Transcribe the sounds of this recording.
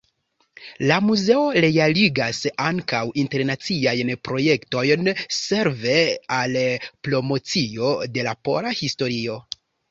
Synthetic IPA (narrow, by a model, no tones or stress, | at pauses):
lamuze̞o̞ɾe̞aliɡasaŋkawinte̞ɾnat͡siajnpɾo̞je̞kto̞jnse̞ɾve̞alplo̞mo̞t͡sio̞de̞lapo̞̰ɾahisto̞ɾio̞